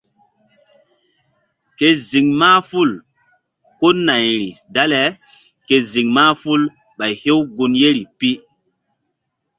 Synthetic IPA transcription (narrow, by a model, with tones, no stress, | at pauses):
ke˦zi˨ŋmaː˦fu˦˨l | ko˦na˨jɾi˨da˦le˨ | ke˨zi˨ŋmaː˦fu˦l | ɓa˨jhe˦wɡu˨nje˦ɾi˨pi˦